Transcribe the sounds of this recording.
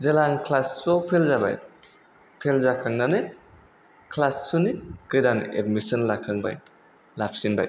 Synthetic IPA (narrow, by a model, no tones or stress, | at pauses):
zalaŋkʰlassɔpʰelzaba̰j | pʰelzakʰaŋnane | kʰlassunikɯjdaŋḛdmisɔnlakʰaŋba̰j | lap̚sinba̰j